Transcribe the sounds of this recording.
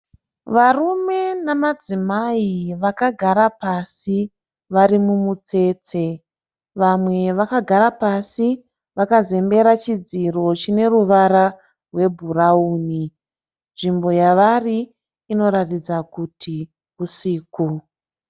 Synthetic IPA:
ʋarume̞namad͡zimaiʋakaɡʱaɾapasi | ʋaɾimumut͡se̞ːt͡se̞ | ʋamwe̞ʋakaɡʱaɾapasi | ʋakaze̞mbe̞ɾat͡ʃid͡ziro̞t͡ʃine̞ruʋaɾa | rwe̞bʱurauːni | nʐimbo̞jaʋariː | no̞ɾatid͡zakutʰi | ɦusiːku

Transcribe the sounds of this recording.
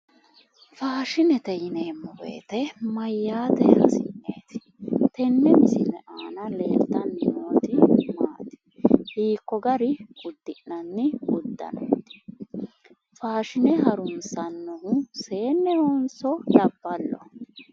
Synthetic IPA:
faːʃɪnɛt̪ɛjɪneːmːɔwḛːt̪ɛmɐjːaːt̪ɛhɐ̰sɪnːḛːt̪ɪ̥ | t̪ɛnːɛmɪsɪnɛʔaːnɐle̞ːlt̪ɐnːɪmoːt̪ɪmaːt̪ɪ̥ | hiːkːɔɡɐɾɪʔʊd̪ːɪʔnɐnːɪʊd̪ːɐ̰no̰ːt̪ɪ̥ | faːʃɪnɛɦɐɾʊnsɐnːɔhʊse̞ːnːɛhoːnsɔlɐbːɐlːɔ̰

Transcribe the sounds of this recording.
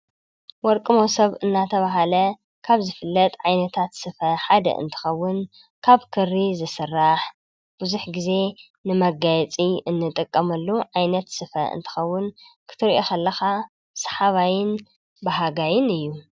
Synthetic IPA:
wɔɾkʼɨmosɐβɨnːat̪ʰɐβaɦalɐ | kʰaβzɨfɨlːɐt̪ʼʕajnɐt̪ʰat̪sɨfɐħad̪ɐ̰ʔɨ̰nt̪ʰɨ̥xɐwːʊn | kʰaβkʰɨrːizɨsɨrːaħ | b̥ɨzuħɡize̞ | nɨmɐɡajɛt͡sʼiɨnːɨt̪ʼɨkʼːɐmɐlːuʕajnɐt̪sɨfɐ̰ʔɨ̰nt̪ʰɨ̥xɐwːʊnkʰɨ̥t̪ʰɨɾʔokʰɐlːɐxa | sħaβajɪn | baɦaɡajɪnɨjːu

